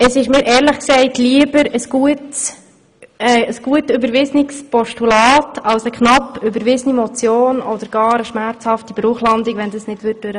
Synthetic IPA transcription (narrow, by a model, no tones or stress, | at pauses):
əsɪʃmɪːɾʔɛːɾləχksɛɪtliəbəɾəsɡ̥uəts | ɛəsɡ̥uətøbəɾʋɪznɪkspɔʃtulɑːtʰɑwsəkχnɑpːʏbəɾʋɪzənimɔt͡sjoːnɔd̪əɾɡ̥ɑːɾəʃmæɾt͡shɑftib̥ɾuːχlɑnd̪ikʋɛnd̪əsnɪd̥ʋʏt̚d̥øɾə